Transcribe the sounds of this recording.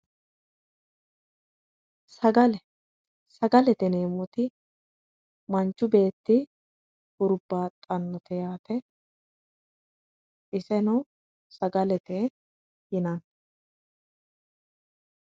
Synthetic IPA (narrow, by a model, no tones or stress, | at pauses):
sɐɡɐlɛ | sɐɡɐlɛt̪ɛneːmːɔt̪ɪ | mɐnt͡ʃːʊbe̞ːt̪ːɪ | hʊɾʊbːaːt̪ʼɐnːɔt̪ʰɛjaːt̪ɛ | ʔɪsɛnɔ | sɐɡɐlɛt̪ɛ | hɪnɐn